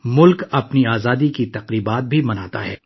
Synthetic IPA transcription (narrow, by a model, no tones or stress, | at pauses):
mʊlkɐpniaːzaːd̪ikit̪ɐqɾiːbaːt̪̚bʱimɐnaːt̪aɦɛ̰ː